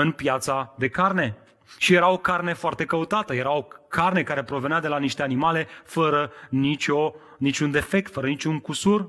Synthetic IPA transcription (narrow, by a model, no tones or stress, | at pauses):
ɨnpjat̪sad̪e̞karne̞ | ʃije̞ɾao̞karne̞foart̪e̞kəut̪at̪əje̞ɾaokarne̞kaɾe̞pɾo̞ve̞nead̪e̞laniʃt̪e̞animale̞fəɾənit͡ʃʲo̞ | nit͡ʃʲund̪e̞fe̞k̚t̪fəɾənit͡ʃʲuŋkusur